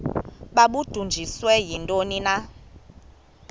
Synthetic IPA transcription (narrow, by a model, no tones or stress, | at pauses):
ɓaɓud̥ʱund͡ʒʱiswɛjindʼonina